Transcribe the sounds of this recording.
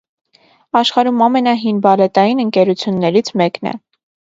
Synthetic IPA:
ɑʃχɑɾumɑmɛnɑɦinbɑlɛt̪ɑjinəŋkɛɾut͡sʰjunːɛɾit͡sʰmɛknɛ̰

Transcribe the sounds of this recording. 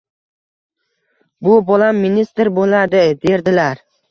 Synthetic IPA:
bʊbɒlamːinist̪ɾbolad̪ɪd̪e̞ɾd̪ɪlaɾ

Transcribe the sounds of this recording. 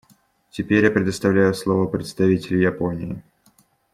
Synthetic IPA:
tʲɪpʲeɾʲjapɾʲɪd̪əst̪ɐvlʲæjʊslˠovəpɾʲɪt̪st̪ɐvʲitʲɪlʲɪjɐponʲɪɪ

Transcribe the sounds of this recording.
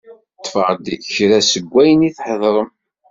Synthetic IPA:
t̪ˤːfəʁd̪çɾæsəɡʷːæjəniθħəðˤɾˤəm

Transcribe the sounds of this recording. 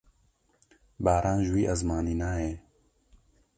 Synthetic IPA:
baːɾaːnʒwiːʔɐzmaːniːnaːeː

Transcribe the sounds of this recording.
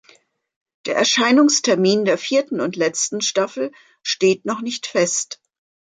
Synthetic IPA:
d̥eːɐɛɐʃaɪnʊŋstʰɛɐmiːndeːɐfiːɐtn̩ʊntlɛt͡stn̩ʃtafl̩ | ʃteːtnɔχnɪçtfɛst

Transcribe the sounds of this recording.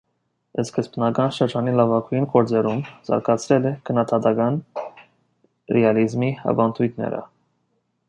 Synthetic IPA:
əskəspnɑɡɑnʃəɾd͡ʒɑnilɑvɑkʰujinkɔɾd͡zɛɾumzɑ̰ɾkʰɑt͡sʰɾɛlɛkʰənːɑd̪ɑd̪ɑɡɑn | ɾɛɑlizmihɑ̰vɑnt̪ʰujt̪ʰnɛ̰ɾə̰

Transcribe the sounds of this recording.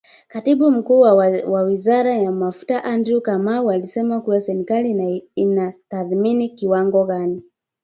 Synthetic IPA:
katiɓum̩kuːwwawizaɾajamafu̥taʔandɾukamaualisɛmakuwasɛɾikaliinataθminikiwaŋɡɔɣani

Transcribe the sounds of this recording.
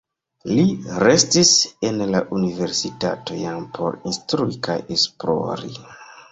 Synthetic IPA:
liɾe̞stise̞nlaʔunive̞ɾsita̰tojampʰo̞̰ɾinstɾuika̰jesplo̞̰ɾḭ

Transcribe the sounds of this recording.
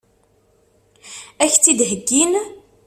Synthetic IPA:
æçt͡sːid̪ɦəɡːin

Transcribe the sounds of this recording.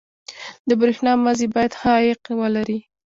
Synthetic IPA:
d̪əbɾexnɑmazebɑjad̪xajɪqwəlaɾi

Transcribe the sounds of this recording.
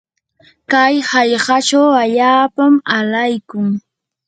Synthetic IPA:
kajhɑjɢɑt͡ʃawaʎaːpamalajkʊŋ

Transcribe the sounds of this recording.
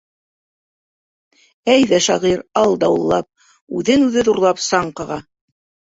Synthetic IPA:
æjðæʃɑʁiɾɑlˠd̪ɑwɤ̆lˠːɑp̚ | ʉðɘnʉðɘðuɾlˠɑpsɑɴqɑʁɑ

